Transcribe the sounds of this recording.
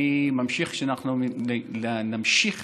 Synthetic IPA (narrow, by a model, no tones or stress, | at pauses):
imamʃiχʃinaqnomlanamʃiχ